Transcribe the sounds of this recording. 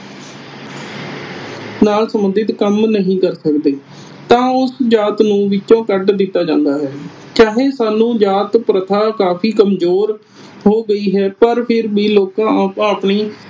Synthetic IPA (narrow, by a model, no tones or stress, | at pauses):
naːlsəmənd̪ɪt̪kəmnəɦĩːkəɾsəkd̪eː | t̪ãːʊsd͡ʒaːt̪nũːʋɪtːʃõːkəɖd̪ɪt̪ːaːd͡ʒãːnd̪aːɦɛː | kaːɦeːsaːnũːd͡ʒaːt̪pɾət̪ʰaːkaːpʰiːkəmzoːɾ | ɦoːɡəiːɦɛːpəɾpʰɪɾbiːloːkãːaːpɳiː